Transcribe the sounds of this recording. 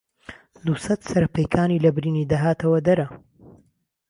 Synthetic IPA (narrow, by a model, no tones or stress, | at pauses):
d̪usɐt̪sɐɾɐpɐjkʰaːniːlɐbɾiːniːd̪aɦaːt̪ʰɐwɐd̪ɐɾɐ